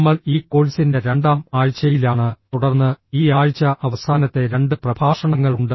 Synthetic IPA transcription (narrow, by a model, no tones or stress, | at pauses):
mːɐɭiːkːo̞ːɭisinde̞ɾe̞ɳɖaːmaːɻt͡ɕːɐjilaːɳɨt̪uɽɐrnːɨiːaːɻt͡ɕːɐʔɐʋɐsʰaːnɐt̪ːe̞ɾe̞ɳɖɨprɐbʱaːʂɐɳɐŋːɐɭuɳɖɨ